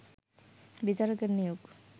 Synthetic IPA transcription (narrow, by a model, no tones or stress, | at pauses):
bit͡ɕaɾokeɾnijoɡ